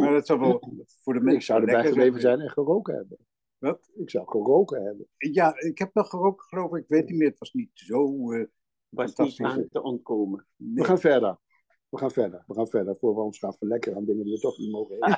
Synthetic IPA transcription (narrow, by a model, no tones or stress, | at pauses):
madɑtsɔwʋɛlˠfʊːɹdəmɛɪksɔwdəbɛjχəlejvəzɛjnɛχərowkəhɛ̰bə | ʋɑtɪksɔwχərowkəɦɛbənjaɪkhɛp̚nɔχərowkə̥χəlowvəɪkʋejtnitmɪːətʋɑsnitzow | atəɔntkoːmə | nʋəχaːnfɛɹdəɹ | ʋəχaːnfɛɹdəɹʋəχaːnfɛɹdəfoːɹʋəɔ̃nsχaːfəlɛkərandɪŋəndiʋətɔχnitmowχəe